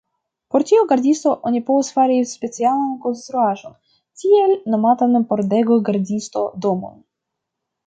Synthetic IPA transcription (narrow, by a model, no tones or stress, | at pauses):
po̞ɾtioɡaɾdʲist̪o̞ʔonʲipovusfaɾʲispe̞t͡sialanko̞nst̪ɾuaʒo̞n | tʲielno̞mat̪anpoɾd̪eɡoɡaɾdʲist̪o̞d̪omo̰n